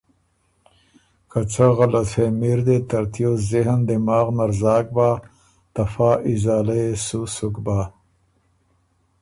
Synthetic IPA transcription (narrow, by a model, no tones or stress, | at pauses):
kɐt͡saɣɐlɐfemiɾd̪et̪ɐɾt̪ijoziɦnd̪imaːɣnaɾzɑːk̚baː | t̪ɐfaːʔizaːlɐjesusukbaː